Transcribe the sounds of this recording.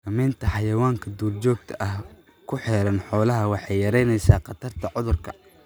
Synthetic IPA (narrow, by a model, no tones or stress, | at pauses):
kɐmɛːnt̪ʰɐħɑjɐwaːŋkʰɐd̪uːrt͡ʃɔːɡ̚t̪ʰɐʔɐh | kʰʊħɛːɾɐnħɔːlɐɦɐwɑħɑjjɐɾɛjnɛjsaːqɑt̪ʰɐrt̪ʰɐʕʊðʊrkʰɐ